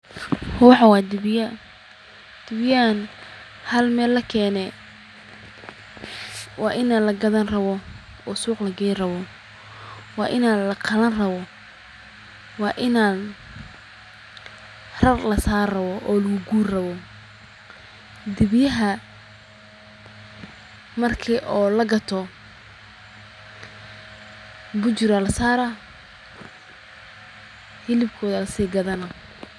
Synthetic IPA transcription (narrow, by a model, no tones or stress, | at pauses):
hʊːħɑwɑːd̪ɪj | d̪̥ɪβjɐn | hɐlmɛːlɐkʰɛːnɛ | wɑːʔɪnalɐɡɐðɐnrɐβɔ | ɔːsuːqlɐɡɛːrɐβɔ | wɑːʔɪnaːlɐqʰɑlɐnrɐβɔ | wɑːʔɪnaːn | rɐrlɐsaːrɐβɔʔɔːlɐɣʊɡuːrrɐβɔ | d̪ɪβjɐɦɐ | mɐrkʰiːʔɔːlɐɡɐt̪ʰɔ | bʊt͡ʃɪɾɐlɐsaːɾɐ | hɪlɪbkʰɔːðɐlɐsiːɡɐðɐnɐ